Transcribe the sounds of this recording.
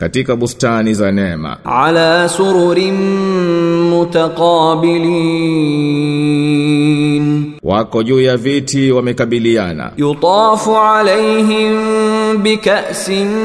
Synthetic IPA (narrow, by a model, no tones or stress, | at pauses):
katikaɓustanizanɛma̰ʕalaːsʊɾʊɾɪm | mʊt̪aqɑːbɪliː | n | wakɔʄuːjavitiwamɛkaɓiliana̰jʊt̪ˤɑːfʊʕalajɦɪmbɪkaʔsɪn